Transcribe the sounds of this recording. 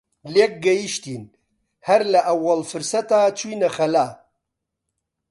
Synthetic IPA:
lek̚ɡɐjiʃt̪in | hɐɾlɐʔɐwːɐlfɨɾsɐt̪aːt͡ʃʰujnɐxɐlaː

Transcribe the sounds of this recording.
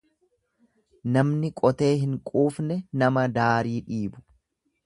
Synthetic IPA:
nɐmnɪkʼɔt̪e̞ːhɪŋkʼuːfnɛnɐmɐd̪aːɾiːᶑiːbʊ̥

